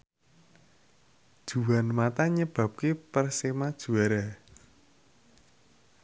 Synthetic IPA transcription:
d̥ʒ̥ṳwanmat̪aɲəb̥ä̤p̚kepərsemad̥ʒ̥ṳaɾa

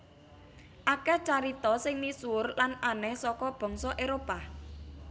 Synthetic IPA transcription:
ʔakɛt͡ʃaɾit̪ɔsɪŋnisuʊrlananɛhsɔkɔb̥ɔ̤ŋsɔʔeɾopa

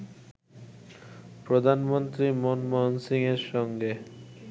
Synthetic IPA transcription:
pɾod̪ʱanmont̪ɾimonmɔnsiŋeɾʃɔŋɡe

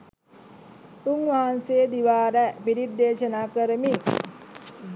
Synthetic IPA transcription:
uŋʋaɦanseːd̪iʋaːɾəpiɾid̪ːeːʃənaːkəɾəmi

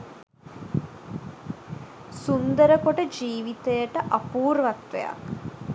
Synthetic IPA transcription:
sund̪əɾəkoʈəd͡ʒiːʋit̪ejəʈəʔapuːɾʋakt̪ʋḛja̰k

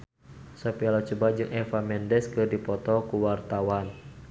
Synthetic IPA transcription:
sɔpɛlat͡ʃubad͡ʒɨŋʔɛfamɛndɛskɨrdipɔt̪ɔkuwart̪awan

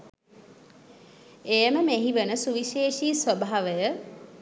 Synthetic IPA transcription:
ejəməmeɦiʋənəsuʋiʃeːʃiːsʋəbaɦaʋəjə

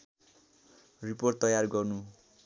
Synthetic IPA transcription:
riport̪ːʌjarɡʌrnu

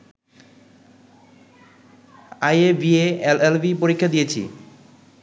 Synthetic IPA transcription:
ajebieelelbipoɾikʰːad̪ijet͡ɕʰḭ

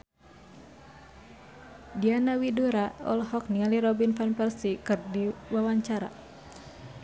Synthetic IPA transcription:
dianawidoɾaɔ̰lhɔk̚niŋaliɾɔbinfanpɛrsikɨrdiwawaɲt͡ʃaɾa̰

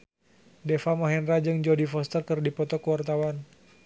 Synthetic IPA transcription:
dɛfamaɦɛnrad͡ʒɨŋd͡ʒɔdifɔst̪ərkərdipɔt̪ɔkuwart̪awan

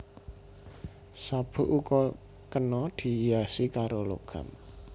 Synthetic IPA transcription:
sab̥ṳʔukɔ | kənɔd̪̥i̤jasikaɾolo̰ɡ̥a̤̰m

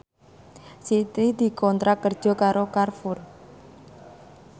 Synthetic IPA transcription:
sit̪id̪̥i̤kɔnt̪ɾakərd̥ʒ̥ɔ̤kaɾokarfʊr

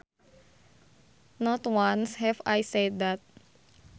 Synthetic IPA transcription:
nɔt̪wanshɛvajsɛd̪dat̪̚

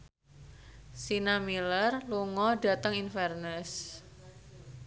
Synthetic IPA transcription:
sinamilərluŋɔɖa̤t̪əŋinfɛrnəs

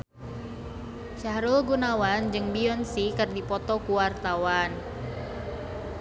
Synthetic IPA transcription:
ʃahɾulɡunawand͡ʒɨŋbiɔnsikɨrdipɔt̪ɔkuwart̪awan

